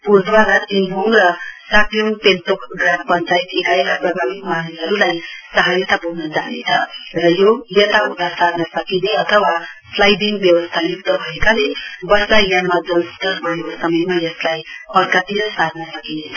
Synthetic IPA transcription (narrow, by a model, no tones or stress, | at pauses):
puɾd̪waɾat̪inbʱoŋɡɾʌsaʈjuŋpenʈokɡrampʌnt͡ʃait̪ekajprʌbanikmanunɦʌɾulajsaɦaɾjʌt̪abʱuwnʌd͡zanet͡sʰʌɾʌjojʌt̪aud̪asaɾnʌsʌkineʌt̪ʰʌwa | slajdiŋɡbjʌwʌst̪ʰajuk̚d̪ʌɦʌekalebʌslajjamad͡zʌlt̪ʌbʱʌjekosʌmʌjmajʌslajpʌɾkat̪inʌsaɾnʌsʌkinet͡sʰʌ